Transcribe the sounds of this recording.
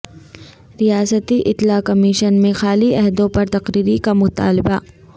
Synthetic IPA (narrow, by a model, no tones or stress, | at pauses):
ɾijaːsət̪iʔɪt̪laːkɐmɪʃənmẽxaːliɛɦd̪õpɐɾt̪ɐqɾiːɾikamʊt̪a̰ːlɪba